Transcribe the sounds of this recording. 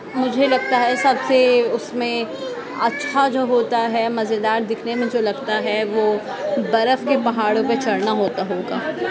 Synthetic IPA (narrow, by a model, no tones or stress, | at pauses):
mʊd͡ʒʱelɐɡ̚t̪aɦɛsɐbseʊsmẽ | ɐtːʃʰad͡ʒoːɦoːt̪aɦɛmɐzed̪aːɾd̪ɪkʰnemẽd͡ʒoːlɐɡt̪aɦɛʋoː | bɐɾəfkepɐɦaːɽõpet͡ʃɐɽnaɦoːt̪aɦoːɡaː